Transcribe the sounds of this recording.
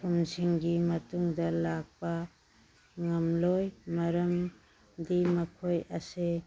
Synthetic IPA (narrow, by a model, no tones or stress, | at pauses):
pʰumsiŋɡimɐtuŋdɐlak̚pɐ | ŋɐmlojmɐɾɐm | dimɐkʰojɐse